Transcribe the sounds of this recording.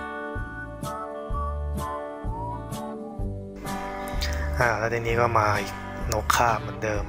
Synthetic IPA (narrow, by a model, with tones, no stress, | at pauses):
ʔaː˧˩lɛ˦˥t̪iː˧niː˦˥kɔː˥˩maː˧i˨˩k̚ | no˦˥kʰːaː˥˩mɯ˩˦ndɤː˧m